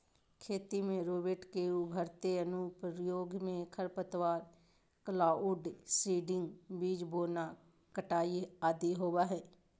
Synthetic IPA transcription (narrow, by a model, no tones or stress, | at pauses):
kʰeːt̪iːmẽːɾoːbeʈkeːuːbʱəɾt̪eːənũːpəɾjoːɡmẽːkʰəɾpət̪ʋaːɾ | kəlaːuɖsiːɖɪŋɡbiːd͡ʒboːnaː | kəʈaːiaːd̪iːɦoːʋaːɦɛː